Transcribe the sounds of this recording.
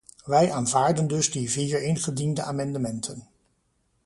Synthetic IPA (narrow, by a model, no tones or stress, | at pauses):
ʋɛjaːnvaːɹdəndɵzdiviːɹɪnχədindəʔaːmɛndəmɛntʰən